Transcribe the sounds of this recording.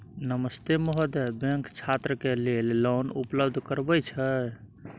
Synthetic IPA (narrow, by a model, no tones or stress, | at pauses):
nəməst̪emɔɦəd̪ebeŋkt͡ʃʰat̪ɾəkelellɔnṵpləbd̪ʱkəɾbəjt͡ʃʰə